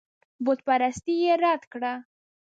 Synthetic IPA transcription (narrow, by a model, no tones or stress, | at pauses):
bot̪paɾast̪ijeɾɑt̪kɽa